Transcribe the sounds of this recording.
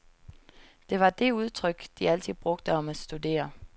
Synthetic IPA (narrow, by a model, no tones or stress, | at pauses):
d̥e̝ʋɑ̈d̥e̝uð̞ˠt͡sʰʁœɡ̥d̥iæl̰t͡sʰið̩̰ˠb̥ʁɔ̽ɡ̥̚d̥əɒ̽mæ̥sd̥ud̥e̝̰ːɐ